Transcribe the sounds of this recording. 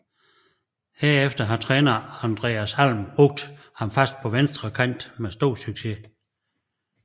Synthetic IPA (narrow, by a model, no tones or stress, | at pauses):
heɐ̰efd̥ɐɦɑ̈t͡sʰʁɛːnɐɑnd̥ʁɛ̰ːæshæl̰mb̥ʁɔ̽ɡ̥̚d̥ | hɑ̈mfæsd̥̚pʰɒ̽ʋensd̥ʁɐkʰæn̰d̥mesd̥o̝̰ːsyɡ̥se̝